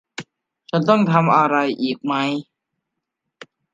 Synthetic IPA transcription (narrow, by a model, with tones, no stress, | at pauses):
t͡ɕʰa˦˥nt̪ɔ˥˩ŋt̪ʰa˧mʔa˧ɾa˧jʔiː˨˩k̚ma˦˥j